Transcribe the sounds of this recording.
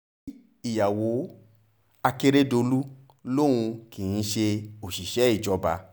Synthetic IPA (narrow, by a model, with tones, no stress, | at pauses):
i˨ja˨wo˨˦ | a˧ke˦ɾe˦do˧lu˦ | lo˦˨ɾ̃ũ˧kĩ˨ĩ˦ʃe˧o˨ʃi˨ʃɛ˨˦i˦˨d͡ʒɔ˧˦ba̰˧